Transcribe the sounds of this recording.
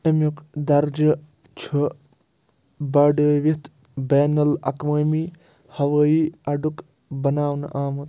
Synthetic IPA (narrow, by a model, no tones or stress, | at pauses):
ɐmukd̪ɐɾd͡ʒɐ | t͡ʃʰu | bɐɖəʋit̪ | beːnɐlɐ̰kməmi | hɐʋəiɐɖuk | bɐnaːwnʔaːmɐt̪